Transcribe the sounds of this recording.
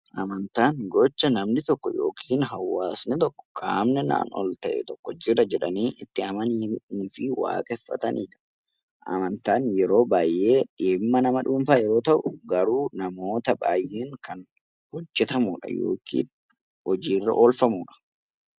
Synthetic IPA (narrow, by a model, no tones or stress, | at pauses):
ʔɐmɐnt̪aːnɡɔt͡ʃːɐnɐmnɪt̪ɔkːɔjo̰ːkʰiːnɦɐwːaːsnɪt̪ɔkːɔ̥kʼaːmnɛna̰ːnɔ̰lt̪ɐʔɛ̰t̪ɔkːɔd͡ʒɪrɐd͡ʒɛᶑɐniːʔɪt̪ːɪɐmɐnimᶑuːfɪwa̰ːkʼɛfːɐ̰t̪ɐnʔiːᶑɐ̥ | ʔɐ̰mɐnt̪aːnjɛɾo̞ːbaːjʔːeːᶑɪmːɐnɐmɐᶑuːnfaːjɛɾo̞ːt̪ɐʔʊɡɐɾuːnɐmo̞ːt̪ɐba̰ːjʔeːŋkɐn | hɔd͡ʒːɛt̪ɐmuːᶑɐ̰jo̰ːkʰḭːn | hɔd͡ʒiːrːɐ̰ʔoːlfɐmuːᶑɐ̥